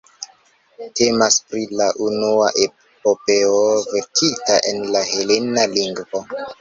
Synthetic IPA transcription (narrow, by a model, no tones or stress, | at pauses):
te̞maspɾilaʔunuaʔe | popeoveɾkʰitaʔe̞nlahelenaliŋɡvo